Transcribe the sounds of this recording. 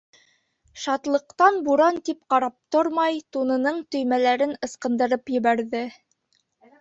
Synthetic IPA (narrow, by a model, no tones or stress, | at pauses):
ʃɑt̪lˠɤ̆qt̪ɑnbuɾɑnt̪ipqɑɾɑp̚t̪oɾmɑjt̪unɤ̆nɤɴt̪ɵ̆jmælæɾɘnɤ̆sqɤ̆nd̪ɤ̆ɾɤpjɘ̆βæɾðɘ